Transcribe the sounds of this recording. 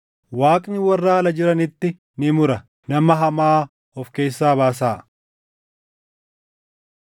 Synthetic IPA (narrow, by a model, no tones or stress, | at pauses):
waːkʼnɪwɐrːaːɐlɐd͡ʒɪɾɐnɪt̪ːɪ | nɪmʊɾɐ | nɐmɐɦɐmaː | ɔfke̞ːsːaːbaːs̬aː